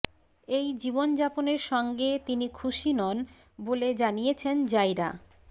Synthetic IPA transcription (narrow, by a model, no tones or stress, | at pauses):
ejd͡ʑibond͡ʑaponeɾʃɔŋɡet̪inikʰuʃinɔn | boled͡ʑanijet͡ɕʰend͡ʑajɾa